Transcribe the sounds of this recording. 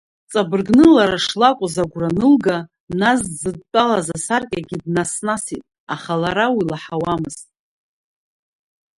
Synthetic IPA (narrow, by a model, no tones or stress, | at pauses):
t͡sʼabɨrɡnɨlaɾaʂlakʷʼʊzaɡʷranɨlɡa | naszɨd̚tʼalazasarkʲʼaɡʲidnasnasitʼ | aχalaɾawilaħawamɨz̥tʼ